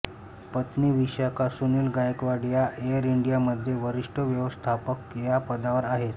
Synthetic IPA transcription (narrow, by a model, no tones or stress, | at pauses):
pət̪niʋiɕjakasuniːlɡajkʋaɽijaʔejəɾiɳɖijaməd̪ʱːjeʋəɾiʂʈʰəʋjəʋəst̪ʰapəkjapəd̪aʋəɾaɦet̪